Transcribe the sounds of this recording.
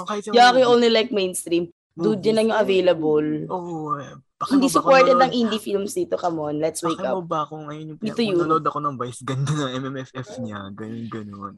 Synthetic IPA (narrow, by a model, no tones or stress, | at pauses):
kajaɐkɪʔonlilajk̚mejnst̪ɾim | d̪ud͡ʒɐnɐŋjʊŋʔɐvejlɐboloʔ | hɪnd̪iːsʊpoɹt̪ɛd̪ɐŋʔind̪ifilmsd̪it̪okɐmonlɛt̪swejkaobakoŋɐjonjʊŋd̪it̪ʊjʊod̪ɐkonɐŋvajsɡɐnd̪ɐnɐŋʔɛmɛmɛfɛfɲaɡɐnonɡɐnon